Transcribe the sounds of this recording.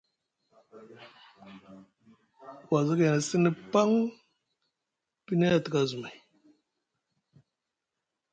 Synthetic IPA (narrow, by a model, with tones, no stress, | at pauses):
wa˨zi˦ka˨na˨si˦ni˦pa˦ŋ | pi˦ne˦a˨ti˨ka˨zu˨ma˨